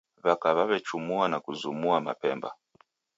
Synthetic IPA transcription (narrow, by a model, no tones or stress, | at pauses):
βakaβaβɛt͡ʃumuanakuzumuama̰pɛmba̰